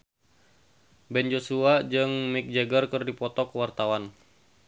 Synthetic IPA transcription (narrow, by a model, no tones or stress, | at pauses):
bɛnd͡ʒosuad͡ʒɨŋmik̚d͡ʒəɡərkɨrdipɔt̪ɔkəwart̪awan